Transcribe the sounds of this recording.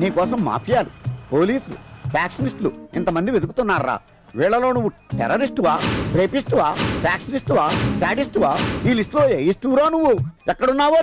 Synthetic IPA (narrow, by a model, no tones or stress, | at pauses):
niːkɔːsɐmːa̰ːpʰijaːlupoːliːslṵpʰjaːkʂɐnisʈluḭnt̪ɐmɐnd̪iʋed̪uk̬ut̪unːaːɾɾa̰ː | ʋiːɭɐlo̞ːnuʋːuʈɛ̰ɾɐɾisʈʋaːpɾeːpisʈuʋaːpʰjaːkʂɐnisʈuʋaːsaːʈisʈuʋaːiːlisʈlo̞ːejisʈuɾaːnuʋːuɛkːɐɽunːaːʋaː